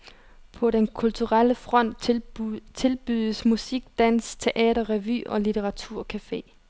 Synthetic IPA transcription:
pʰɒ̽ɾ̥enkʰult͡sʰuʁal̰əfʁɒ̽n̰d̥ | t͡sʰe̝lb̥yðˠəsmusiɡ̥̚d̥æn̰st͡sʰe̝ʔɛ̰ːɾɐʁɛʋy̰ːɒ̽lit͡sʰeʁɑ̈t͡sʰuɐ̰kʰæfe̝̰ː

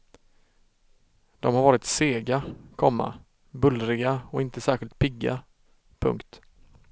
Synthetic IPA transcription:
d̪̥ɔmhaɾvɑːɾɪt̪seːɡakʰɔmːa̰ | bɵlːɾɪɡaɔɪnt̪əsæːɾɧɪlt̪̚pʰɪɡːa̰ | pʰɵ̰ŋkt̪

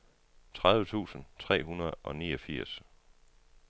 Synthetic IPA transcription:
t͡sʰʁɑ̈ðˠʋət͡sʰṵːsn̩t͡sʰʁɛ̰ːɦunɐðˠʔɒ̽niːɒ̽fiɐ̰s

